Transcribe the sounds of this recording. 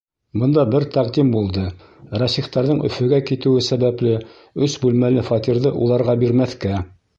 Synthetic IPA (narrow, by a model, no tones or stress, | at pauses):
bɤ̆nd̪ɑbɘɾt̪æqd̪imbulˠd̪ɤ | ɾɑsiχt̪ɑɾðɤɴʔɵ̰̆fɵ̆ɡækit̪ɘ̆wɘsæβæplɘ | ɵsbʉlmælɘfɑt̪iɾðɤʔṵlˠɑɾʁɑbiɾmæθkæ